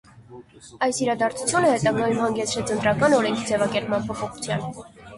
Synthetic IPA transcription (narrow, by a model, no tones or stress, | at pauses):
ɑjsiɾɑd̪ɑɾt͡sʰu̥t͡sʰjunəhɛt̪ɑɡɑjumhɑŋɡɛt͡sʰɾɛt͡sʰənt̪ɾɑkɑnɔɾɛŋkʰid͡zɛvɑkɛɾpmɑnpʰɔpʰɔχu̥t͡sʰjɑ̰n